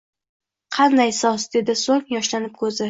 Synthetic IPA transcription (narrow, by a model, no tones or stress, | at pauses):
qʰɑnd̪ajsɒsd̪̥e̞d̪ɪsoŋjɒʃlanɪp̚kʰɵzɪ